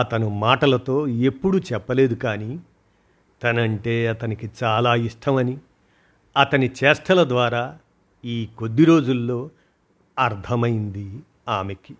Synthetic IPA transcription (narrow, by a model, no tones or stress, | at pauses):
ɐt̪ɐnumaːʈɐlɐt̪o̞ːe̞pːuɽut͡ʃɛpːɐle̞ːd̪ukaːni | t̪ɐnɐɳʈe̞ːɐt̪ɐnikit͡ʃaːlaːiʂʈʰɐmɐni | ɐt̪ɐnit͡ʃɛːsʈʰɐlɐd̪ʋaːɾaː | iːkod̪ːiɾo̞ːd͡ʒulːo̞ː | ɐɾt̪ʰɐmɐjind̪i | aːme̞ki